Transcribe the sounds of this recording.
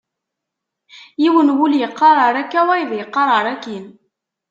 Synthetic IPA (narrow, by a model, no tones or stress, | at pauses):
jiwənwuljəqːɑɾˤɑɾˤækːæwæjəðjəqːɑɾˤɑɾˤækin